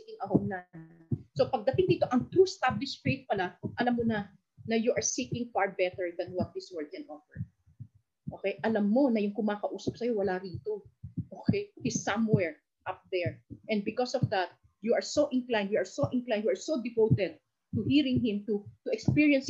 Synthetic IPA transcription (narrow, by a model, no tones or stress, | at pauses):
kɪŋʔɐhomna | sopɐɡ̚d̪ɐt̪ɪŋd̪iːt̪o̞ʔɐŋt̪ɾust̪ablɪʃfejt̪̚pɐlaʔɐlamːonɐ | nɐjuʔɐɹsikɪ̃ŋfaɹbɛt̪ɛɹd̪ɐ̃nwɐt̪̚d̪ɪswɛɹd̪̚kɛ̃nʔɔfɛɹ | ʔoːkɛjʔɐlamːo̞nɐjʊŋkʊmaːkɐʔuːsɐp̚sɐjo̞wɐlaɾiːt̪oʔoːkɛjhɪsɐ̃mwɛɹ | ʔap̚d̪ɛɹʔɛnd̪̚bɪkɔsɔvd̪at̪̚ | juʔɐɹsoʔɪ̃nklãj̃nd̪juɐɹsoʔɪnklajnjuaɹsod̪ɪvowt̪ɛd̪̚ | t̪ʊhiːɹɪ̃ŋhɪ̃mt̪ut̪ʊʔɛkspiɹiɐns